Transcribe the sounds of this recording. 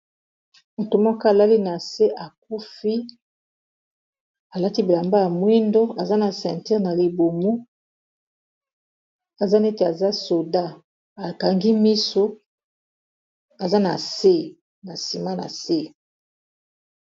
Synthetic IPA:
mo˨to˨mɔ˦ka˦a˨la˦li˦na˨se˦ʔa˨k̚u˦fi˦ | a˨la˦ti˦bi˨la˨mba˦ja˨mwi˦ndo˦a˨za˦na˨sɛ̃˨nti˦ʁna˨li˨bo˨mu˦ | a˨za˦ne˦te˨a˨za˦so˨da˦ | a˨ka˨ŋɡi˦mi˦so˦ | a˨za˦na˨se˦˨ | na˨si˨ma˦na̰˨se˦˨

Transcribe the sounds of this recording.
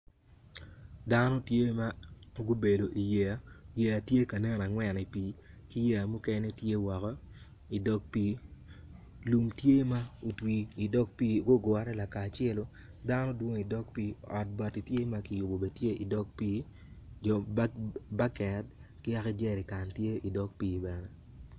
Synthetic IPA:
da˦nɔ˦tje˦ma˦ɡu˦be˨do˨ʔi˨je˨a˦je˨a˨tje˦ka˨ne˦na˨ŋwɛ˨ni˨piː˨˦ | ki˦je˦˨a˨mu˦kɛ˦ne˦tje˦wɔ˨kɔ˦ | i˨dɔ˦k̚piː˦ | lu˨mtje˦ma˦o˨twiː˨dɔ˦k̚piː˦ɡo˦ɡa˦ɾɛ˦la˨kaː˨t͡ʃɛ˦lo˦ | da˦nɔ˦dwo˦ŋi˨dɔ˦k̚piː˦ɔ̰˨t̚ba˨ti˨tje˦ma˦ki˨jʊ˨bo˨be˨tje˦i˨dɔ˦k̚piː˦ | d͡ʒɔ˨ | ba˦kɛ˨d | kɪ˦a˦kɛ˦d͡ʒɛ˨ɾi˨ka˨ntje˦i˨dɔ˦k̚piː˦bɛ˨nɛ˦

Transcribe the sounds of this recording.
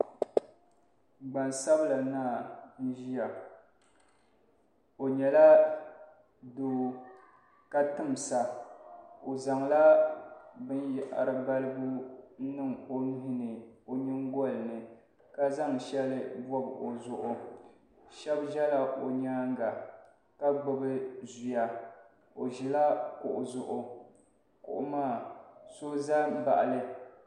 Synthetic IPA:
ɡ͡ba˨nsa˦bla˨naː˦˨nu˨ʒi˦ja˨ | o˨ɲɛ˨la˦ | doː˨˦ | ka˦tɨ˦m˨sa˨ | o˨za˨ŋla˦ | bɨ˦nja˨ʔa̰˨ɾɨ˨ba˦lɨ˦bu˦nɨ˦ŋo˦n˦ɦi˨nɨ˨o˨ɲi˦ŋ˦ɡɔ˦lnɨ˨ | ka˦za˦ŋʃɛ˦lɨ˦bɔ˦bo˨zʊ˨ʔʊ˨ | ʃɛ˦bʒɛ˦la˨ʔo˨ɲaː˦ŋ˦ɡa˨ | ka˦ɡ͡bʊ˨bɨ˦zu˨ja˦ | o˨ʒi˨la˦kʊ˨ʔʊ˨zʊ˨ʔʊ˦ | kʊ̰˨ʔʊ̰˦maː˦˨so˦za˦ba̰˨ʔa˨lɨ˦

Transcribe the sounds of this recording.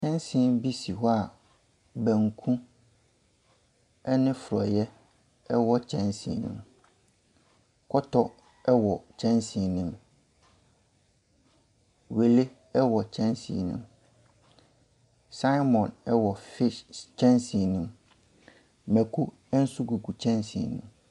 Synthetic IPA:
t͡ɕʰɛ̃˦nsĩ˨˦nbi˦si˨ɦɔ˦a˨ | bæ̃˨ŋ˨kʰũ˦ | ɛ˦nɪ̃˦fʊ˨ɾɔ˨jɛ˦ | ɛ˦wɔ˦t͡ɕʰɛ̃˦nsḭ̃˨nḭ̃˨˦m | kʰɔ˦tʰɔ˦ | ɛ˦wɔ˨t͡ɕʰɛ̃˦nsĩ˨nĩ˦˨m | we˨le˦ | ɛ˦wɔ˨t͡ɕʰɛ̃˦nsḭ˨nũ˦m | sa˦jmɔ̃˨nɛ˦wɔ˨fɪ˦t͡ɕʰɛ̃˦nsi˨nũ˨m | mæ˨kʰu˦ | ɛ˦n̩˦su˦ɡu˨ku˨t͡ɕʰɛ̃˦nsḭ˨nũ˦m

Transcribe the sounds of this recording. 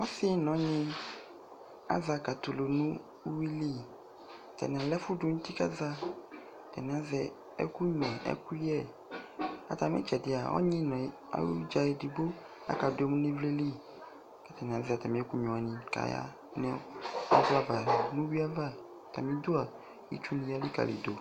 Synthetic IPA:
ɔ˦si˦nɔ̃˨˦ɲĩ˦ | a̰˦za˨ka˨t̪o˨lo˨nũ˦ | wi˦li˦ | t̪ɛ̰˨n˨ã˨lɛ˦fu˦du˦ŋu˦t̪i˦ka˦za˦ | t̪ɛ̰˨n˨ã˨˦zɛ˨ | ɛ̰˦ku˦ɲɛ̃˨ʔɛ̰˦ku˦jɛ˦˨ | a̰˨t̪a˨mɛ̰̃˦t͡ʃɛ˨dɪ˨a̰˨wɔ̰˦ɲĩ˦nɔ̃˨ | a̰˨˦lṵ˦d͡ʒa˨e˨di˨bo˦ | a̰˦ka˨do˨˦e˦mũ˦nẽ˦vle˦li˦ | kɛ˦t̪ɛ˨n˨ã˨˦zɛ˨t̪a˨mĩ˦ɛ˦ku˦ɲɔ̃˨a˨nĩ˨ka̰˨ja̰˦ | nɛ̰̃˦ɔ̰˦va˦va˨nũ˦wi˦a˦va˦˨ | t̪a˨mĩ˦d̪o˦a˨ | jḭ˦t͡ʃu˦nĩ˦ja˦li˦ka̰˨lḭ˨d̪o˨

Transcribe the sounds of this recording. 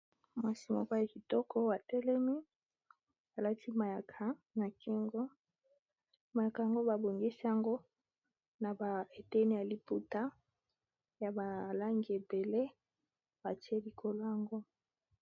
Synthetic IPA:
mwa˨si˨mɔ̰˦kɔ˦ja˨ki˨tɔ˦kʰɔ˦wa˨tɛ˦lɛ˦mi˦ | a˨la˦tʰi˦ma˨ja˨kʰa˨na˨kʰi˦ŋɡo˦ | ma˨ja˨ka˨ja˨ŋɡo˦ba˨bo˨ŋɡi˦si˦ja˨ŋɡo˦ | na˨ba˨e˨tɛ˦ni˦ja˨li˨pu˦ta˦ | ja˨ba˨la˦ŋɡi˦e˨be˨le˦ | b̥a˨ti˦e˦li˨kʰo˨lo˦ja˨ŋɡo˦

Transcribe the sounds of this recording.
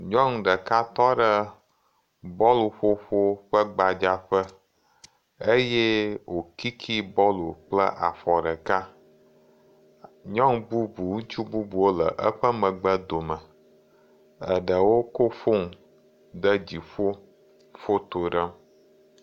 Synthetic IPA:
ɲɔ̃˦ŋ˨ɖə˨ka˦t̪ɔ˦ɖə˦ | bɔ˦lo˨ɸo˦ɸo˦ɸə˦ɡ͡ba˨d͡ʒa˦ɸə˦ | e˦je˦wo˨ki˦kʰi˦bɔ˦lo˨k͡plə̰˦ʔa̰˨fɔ˨ɖə˨ka˦ | ɲɔ̃˦ŋbu˦bu˨ŋũ˦t͡ʃu˦bu˦bu˨wo˦lə̰˨ʔə˦ɸə˦mə̃˨ɡ͡bə˦d̪o˨mə˨ | ə˨ɖə˨wo˦ko˦fo˦ŋ˨ | d̪ə˦d͡ʑi˨ɸo˦ | fo˦t̪o˨ɖə˦m

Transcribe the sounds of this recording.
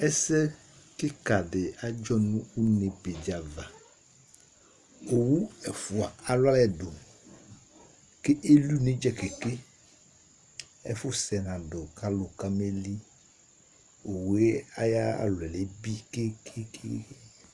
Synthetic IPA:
ɛ˦sɛ˦ | kɪ˦ka˨dɪ˨a˦d͡ʒɔ˦nʊ̃˦u˦ne˨be˨d͡ʒa˨va˨ | o˨wu˦ɛ˨fʊ˨a˨a˨lʊ˦a˦lɛ˨dʊ˨ | kɪ˦ʔe˦lu˦nẽ˦d͡ʒɛ˨ke˨ke˦ | ɛ̰˦fʊ˦sɛ˨nã˨dʊ˨ka˦lʊ˨ka˦me˦li˦ | o˨wu˨˦e˦a̰˦ja˦a̰˨lɛ˨le˨˦bi˦ke˦kʰɪ˦kʰe˦

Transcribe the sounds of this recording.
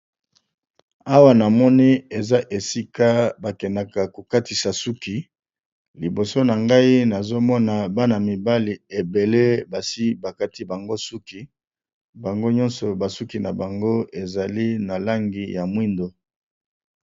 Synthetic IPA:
a˦wa˦na˨mɔ˦ni˦e˨za˦ʔe˨si˦ka˦ba˨kɛ˨na˨ka˨ko˨ka˦ti˨sa˨su˦ki˨ | li˨bo˨so˦na˨ŋɡa˦i˦na˨zo˦mɔ˦na˨ba˦na˨mi˨ba˦li˨e˨be˨le˦ba˨si˦ba˨ka˦ti˦ba˨ŋɡo˦su˦ki˨˦ | ba˨ŋɡo˦ɲɔ̃˦nsɔ˨ba˨su˦ki˨na˨ba˨ŋɡo˦e˨za˨li˦na˨la˦ŋɡi˨ja˨mwi˦ndo˨

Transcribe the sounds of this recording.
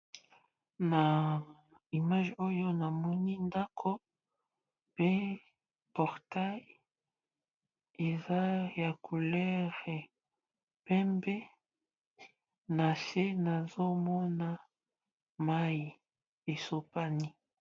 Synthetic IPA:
na˨ | i˨ma˦ʒo˦jo˦na˨mɔ˦ni˦nda˦kʰo˦ | pe˦ | pɔ˨ʁta˦j | e˨za˦ja˨kʰu˨lɛ˦ʁɛ˨ | pɛ˦mbɛ˦ | na˨se˦na˨zo˦mɔ˦na˦ | ma˦ji˨ | e˨so˦pa˦ni˦

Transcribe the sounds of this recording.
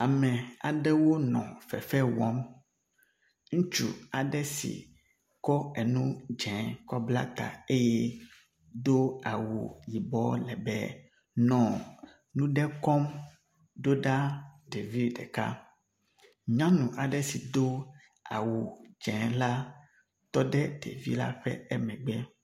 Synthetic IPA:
a˨mɛ̃˨a̰˨ɖɛ˦wo˦nɔ̰̃˨fɛ̰˨fɛ˦wɔ˦m | ŋũ˦t͡ʃṵ˨a˨ɖɛ˦sḭ˨ | kɔ˦ɛ˨nũ˦d͡ʒɛ̃˨kɔ˦bla̰˦t̪a̰˨e˦jɛ˦ | d̪o˦a˨wu˨ji˨bɔ˦lɛ˨bɛ̰˦ | nɔ̃˨ | nũ˦ɖɛ˦kɔ˦m | ɖo˦ɖa˦ɖe˨vi˦ɖɛ̰˨ka̰˦ | ɲã˦nũ˨ʔa˨ɖɛ˦si˨d̪o˦ | a̰˨wu˨d͡ʒɛ̃˨˦la˦ | t̪ɔ˦ɖɛ˦ɖḛ˨vḭ˦la̰˦ɸɛ̰˦ɛ˦mɛ̃˨ɡ͡bɛ˦

